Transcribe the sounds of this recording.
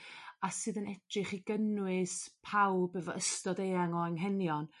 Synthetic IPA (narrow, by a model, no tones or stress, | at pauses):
asɨːðənɛd̥rɨχiɡənwɨspʰawbəvɔəstɔdejaŋɔaŋɦɛnjɔn